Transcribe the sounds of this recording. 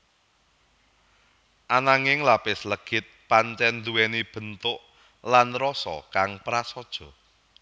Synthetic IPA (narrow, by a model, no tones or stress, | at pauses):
ʔanaŋɪŋlapɪsləɡ̥ɪt̪̚paɲt͡ʃɛnd̪uwɛnib̥ə̤nt̪ʊʔ | lanrɔsɔ̰kaŋpɾasɔd̥ʒ̥ɔ̤